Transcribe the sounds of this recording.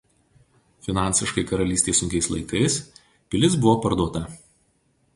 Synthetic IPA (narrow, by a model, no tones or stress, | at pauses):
fʲɪnɑˑnʲsʲɪʃkɐɪkɐɾɐlʲiːsʲt̪ʲeːsʊŋʲkʲɛɪslˠɐɪkɐɪs | pʲɪlʲɪs̬bʊʋoːpɐɾd̪uɔt̪ɐ